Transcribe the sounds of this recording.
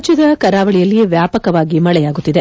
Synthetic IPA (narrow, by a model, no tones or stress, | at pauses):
t͡ʃid̪ɐkɐɾaːʋɐɭijɐlːijeʋjaːpɐkɐʋaːɡimɐɭɛjaːɡut̪ːid̪e̞